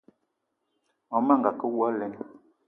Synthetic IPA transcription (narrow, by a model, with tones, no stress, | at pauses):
ɔ˨˦ma˦˨ŋɡa˨kə˦wa˦lɛ˨˦n˦